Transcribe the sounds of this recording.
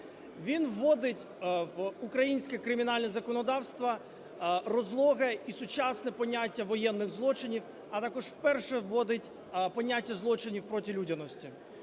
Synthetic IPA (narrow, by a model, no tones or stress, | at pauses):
ʋʲinʋːɔd̪ɪtʲ | ʋukɾɐjinʲsʲkɛkɾɪmʲinɑlʲnʲɛzɐkɔnɔd̪ɑwst̪ʋɐ | rɔzlˠɔɦɛisʊt͡ʃasnɛpɔnʲːatʲːɐʋɔjɛnːɪɣzlˠɔt͡ʃɪnʲiw | ɐt̪ɑkɔʒwpɛrʃɛʋːɔd̪ɪtʲ | pɔnʲːatʲːɐzlˠɔt͡ʃɪnʲiwpɾɔtʲilʲudʲɐnɔsʲtʲi